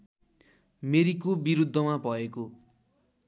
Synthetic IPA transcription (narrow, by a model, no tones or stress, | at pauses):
meɾikobiɾud̪ʱːʌmabʱʌeko